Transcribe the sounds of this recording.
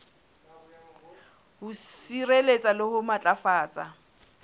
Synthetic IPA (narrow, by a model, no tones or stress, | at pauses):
hʊsirelet͡sʼalɪhʊmat͡ɬʼafaːt͡sʼa